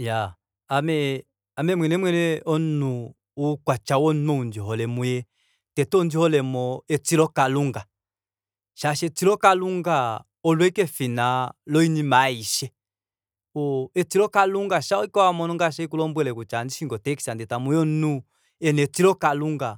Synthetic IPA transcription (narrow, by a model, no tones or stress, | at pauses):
jaː | mɛ | amɛmwɛnɛmwɛnɛɔnuː | kwat͡ʃawɔnɔnd͡ʒiɦɔlɛmujɛ | tɛtɔnd͡ʒihɔlɛmɔɛt͡siɾɔkaluŋɡa | ʃaʃɛt͡siɾɔkaluŋɡa | ɔlwɛikɛfinalɔinimaiʃɛ | ɔɛt͡siɾɔkaluŋɡaʃaɔikɔwamɔnɔŋɡaʃɛikulɔmbwɛlɛkut͡ʃandiʃiŋɡɔtɛki̥sandɛtamujɔnu | ɛnɛt͡siɾɔkaluŋɡa